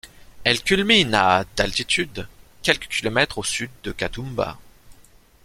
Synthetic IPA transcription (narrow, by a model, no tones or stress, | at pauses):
ɛlkʲylminad̪alt̪it̪ʰyd̪kʲɛlkə̥kʲilɔmɛt̪χosyd̪ːəkat̪umba̰